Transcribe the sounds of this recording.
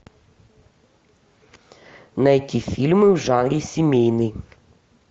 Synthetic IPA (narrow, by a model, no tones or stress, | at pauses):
nɐjɐkʲifʲilʲmɪwʐɑnɾʲisʲimʲejnɨj